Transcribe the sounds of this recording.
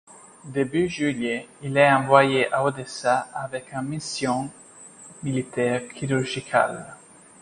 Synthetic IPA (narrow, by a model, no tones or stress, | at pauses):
d̪ebyʒyljeilɛɑ̃vwajeʔaod̪esaːvɛkãmisjɔ̃ | milit̪ɛʁkʰiɾyʁʒikʰa̰l